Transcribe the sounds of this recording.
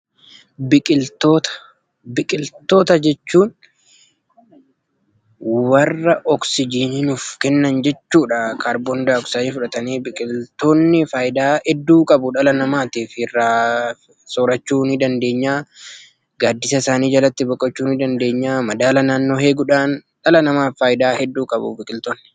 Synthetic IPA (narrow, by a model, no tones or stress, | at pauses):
bɪkʼɪlt̪oːt̪ɐ̥ | bɪkʼɪlt̪o̞ːt̪ɐd͡ʒɛt͡ʃːuːn | wɐrːɐʔɔksɪd͡ʒiːnɪnʊfkɛnːɐnd͡ʒɛt͡ʃːuːᶑɐkaːɾbɔnd̪aːɔksaːjiːfʊᶑɐt̪ɐniːbɪkʼɪlt̪oːnːɪfaːjɪd̪aːhɛd̪ːuːkʼɐbʊᶑɐlɐnɐmaːt̪iːfɪrːaː | soːɾɐt͡ʃːuːnɪd̪ɐnd̪e̞ːɲːaː | ɡaːd̪ːɪsɐɪsaːniːd͡ʒɐlɐt̪ːɪbɔkʼːɐt͡ʃːuːnɪd̪ɐnd̪e̞ːɲːaːmɐd̪aːlɐnaːnːo̞ːheːɡʊᶑaːnᶑɐlɐnɐmaːfaːjɪd̪aːhɛd̪ːuːkʼɐbṵːbɪkʼɪlt̪oːnːɪ